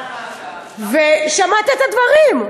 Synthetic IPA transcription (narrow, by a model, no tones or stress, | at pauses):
veʃamat̪iet̪ad̪vaʁim